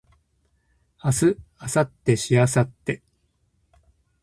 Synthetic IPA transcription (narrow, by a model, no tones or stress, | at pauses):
asɨasat̪ːe̞ɕiasat̪ːe̞